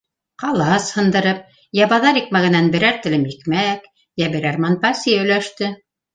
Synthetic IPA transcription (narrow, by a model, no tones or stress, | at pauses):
qɑlˠɑshɤ̆nd̪ɤ̆ɾɤp̚ | jɑβɑðɑɾik̚mæɣæ̆nænbɘ̆ɾæɾt̪ɘ̆lɘmjikmæk | jæbɘ̆ɾæɾmɑnpɑsʲiɵ̆jlæʃt̪ɘ